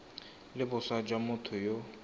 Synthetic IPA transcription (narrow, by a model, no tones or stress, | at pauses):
lɪbʊsad͡ʒamʊt̪ʰʊjo